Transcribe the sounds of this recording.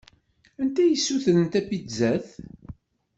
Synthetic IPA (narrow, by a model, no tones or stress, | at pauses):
ænt̪æjəsːuθənənt̪æpːizæθ